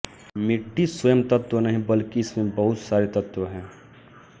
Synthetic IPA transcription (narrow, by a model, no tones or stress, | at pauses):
mɪʈʰːiswəjəmt̪ɐt̪wənɐɦĩbɐlkiɪsmẽbɐɦʊt̪saːɾet̪ɐt̪wəɦɛ̃ː